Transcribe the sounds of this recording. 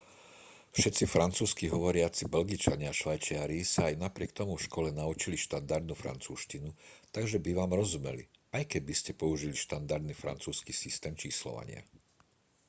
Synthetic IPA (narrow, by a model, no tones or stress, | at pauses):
fʃɛt̪t͡sifɾant͡suːskiɦɔʋɔɾɪat͡sibɛlɡit͡ʃaɲɪaaʃʋajt͡ʃɪaɾisaːjnapɾɪɛk̚t̪ɔmufʃkɔlɛnaut͡ʃiliʃt̪and̪aɾd̪nufɾa̰nt͡suːʃcinut̪aɡʒɛbiʋaːmɾɔzumɛ̰liajkɛɟ̚biscɛpɔuʒiliʃt̪and̪aɾd̪nifɾa̰nt͡suːskisist̪ɛːmt͡ʃiːslɔ̰ʋa̰ɲɪa̰